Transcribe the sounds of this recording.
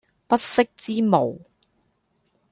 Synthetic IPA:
pɐ˥t̚sɪ˥k̚t͡siː˥mo˨˩w

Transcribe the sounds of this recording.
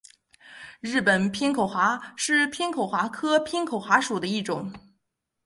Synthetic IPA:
ɻɻ̩˥˩pə˨˩npʰi˥nkʰo˨˩ʊxwa˧˥ʂɻ̩˥˩pʰi˥ŋkʰo˨˩ʊxwa˧˥kʰɤ˥pʰi˥nkʰo˨˩ʊxwa˧˥ʂu˨˩d̪ə˦i˥˩ʈ͡ʂʊ˨˩˦ŋ

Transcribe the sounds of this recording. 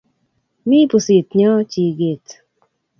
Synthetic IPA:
mi˦pu˨si˨tɲɔ˦t͡ʃi˨ɡe˨t

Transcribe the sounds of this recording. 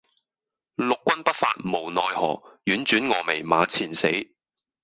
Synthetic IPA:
lʊ˨kːʷɐ˥npɐ˥t̚fa̰ː˧t̚mo˨˩wnɔː˨˧jhɔ̰ː˨˩jyː˨˥nt͡ʃyː˨˥nŋɔː˨˧me˨˩jma̰ː˨˧˥t͡sʰiː˨˩nse˨˥j

